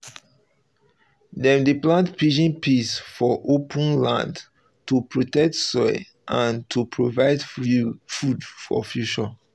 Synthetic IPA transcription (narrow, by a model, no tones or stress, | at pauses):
dɛ̃mdeplãntpʰid͡ʒĩnpisfɔʔopʰə̃nlã̰nd | tupɹotɛk̚tsɔɪ | ʔãntʰupʰɹovaɪdfudfɔ̰fjut͡ʃɔ